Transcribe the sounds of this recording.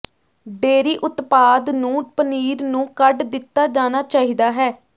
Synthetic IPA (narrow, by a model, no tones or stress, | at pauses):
ɖeːɾiːʔʊt̪paːd̪nũːpəniːɾnũːkəɖd̪ɪt̪ːaːd͡ʒaːnaːt͡ʃaːɦiːd̪aːɦɛː